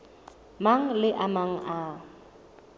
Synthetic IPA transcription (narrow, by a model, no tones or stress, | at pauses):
maŋ̩lɪʔamaŋ̩ʔa